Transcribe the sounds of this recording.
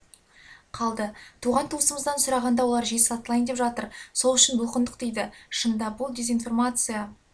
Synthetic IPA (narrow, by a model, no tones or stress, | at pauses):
qʰɑlˠd̪ət̪ʰuʁɑnt̪ʰuəsəməzd̪ɑnsʊɾɑʁɑnd̪ɑwolˠɑɾʒeɑt̪əlˠɑjnd̪epʒɑt̪əɾso̞lˠʏʃɪnbʊlˠqənd̪əqd̪ejd̪ɪʃənd̪ɑbʊlˠd̪ʲe̞zijnfo̞rmat̪sɨja